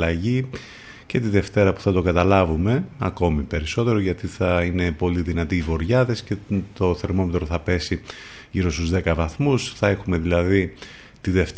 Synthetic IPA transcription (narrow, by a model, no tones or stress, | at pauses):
ɐʝi | ce̞t̪iðe̞ft̪e̞ɾɐpu̥θɐt̪o̞ɡɐt̪ɐlɐvume̞ɐko̞mipe̞ɾiso̞t̪e̞ɾoʝɐt̪iθɐine̞po̞liðinɐt̪iːvo̞ɾʝɐðe̞sce̞t̪o̞θe̞ɾmo̞met̪ɾoθɐpe̞si | ʝiɾo̞st̪uzðe̞kɐvɐθmusθɐe̞xume̞ðilɐði | t̪iðe̞ft̪